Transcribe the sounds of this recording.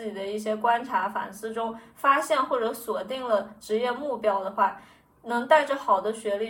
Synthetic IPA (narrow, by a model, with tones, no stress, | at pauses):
t͡ɕi˨˩d̪ə˦i˥˩ɕ̬jɛ˥kwa˥nʈ͡ʂʰa˧˥fa̰˨˩nsɹ̩˥˩ʈ͡ʂʊ˥ŋfa˥ɕjɛ˥˧nxwɔ˥˩ʈ͡ʂɤ˧˥swɔ˨˩t̪i˥˩ŋlə˩ʈ͡ʂɻ̩˧˥jɛ˥˧mu˥˩pjɑ˥ʊd̪ə˧xwa˥˩ | nɤ˧˥ŋt̪a˥˩ɪʈ͡ʂə˩xɑ˨˩ʊd̪ə˦ɕɥɛ˧˥li˥˩